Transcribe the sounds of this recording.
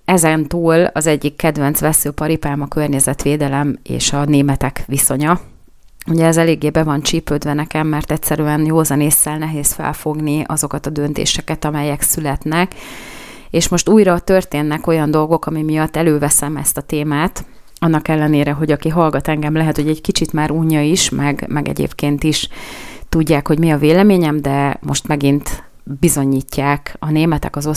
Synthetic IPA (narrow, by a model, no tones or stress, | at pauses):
ɛzɛnt̪uːlɒ̰zɛɟːikːɛd̪ʋɛnt̪sʋɛsøːpɒɾipaːmɒkørɲɛzɛt̪ʋeːd̪ɛlɛmḛːʃɒneːmɛt̪ɛkʋiso̞ɲɒ | uɟɛːzɛleːɡːeːbɛvɒnt͡ʃipøːd̪vɛnɛkɛmːɛrt̪ɛctsɛɾyɛnjoːzɒneːsːɛlnɛɦeːsfɛ̰lfo̞ɡniʔɒzo̞kɒt̪ɒd̪ø̞n̪t̪ḛːʃɛkɛt̪ɒmɛjɛksylɛt̪nɛk | eːʃmo̞ʃt̪uːjɾɒt̪ø̞rt̪eːnːɛko̞jɒnd̪o̞lɡo̞kɒmimijɒt̪ːɛløːvɛsɛmɛ̰st̪ɒt̪eːmaːt̪ | ɒnːɒkɛlːɛneːɾɛɦo̞ɟɒkiɦɒlɡɒt̪ɛŋɡɛmlɛɦɛt̪hoɟɛɟkit͡ʃit̪maːɾuːɲːɒiʃmʔɛɡmɛɡɛ̰ɟḛːpkeːnt̪iʃt̪uɟːaːkho̞ɟmiɒveːlɛmeːɲɛmd̪ɛmo̞ʃt̪mɛɡint̪ | bizo̞ɲiːcːaːkɒneːmɛt̪ɛ̰kɒzo̞